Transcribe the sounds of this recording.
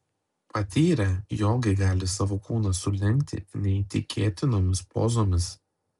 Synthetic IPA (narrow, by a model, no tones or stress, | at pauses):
pɐt̪ʲiːɾʲɛjoːɡʲɛɡɑːlʲɪsɑːʋoːkuːnɐsʊlʲɛŋʲkʲt̪ʲɪ̰nʲɛɪt̪ʲɪkʲʰeːt̪ʲɪnoːmʲɪspo̰ːzoːmʲɪs